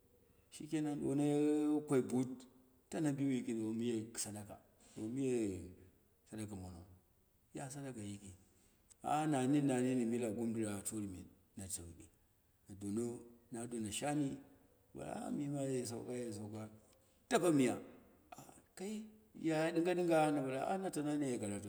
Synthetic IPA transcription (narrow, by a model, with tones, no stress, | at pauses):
ʃḭ˦ke˦na˨˦ɗo̰˨na˦kʷa˨i˨bu˦t | tːa˦na˨bi˦wi˦˨˦ki˨do˨˦mi˦je˦ksa˨da˦ka̰˨ | do˨˦mi˦je˦ | sa˨˦da˦ka˨mo˨no̰˨ | ja˦s̬a˦da˦ka˨ji˦ki˨ | a̰˦na˨ni˦na˨ni˦ni˨mi˦la˨ɡu˦mdi˦ɾa˨t͡ʃu˦ɾi˨mḭ˨ | na˨ta˨wi˨ɗḭ˨ | na˨do˨no˦na˨˦do˨na˨ʃa˦ni˦˨ | ba̰˨la̰˨˦a̰˦mi˦ma˦je˦˨s̬a̰˦ka˦je˨s̬a˨ka˦ | ta˦ka˦mi˨ja̰˨ | a̰˨ka˦i˦ja˨˦di˦ŋɡa˦ɗi˦ŋɡa˦na˨ba˨la̰˨a̰˦na˦ta˨na˦ni˦je˨ka˨la˨to˨